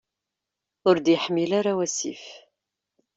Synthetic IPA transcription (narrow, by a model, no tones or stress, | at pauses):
ʊɾd̪jəħmːilaɾawæsḭf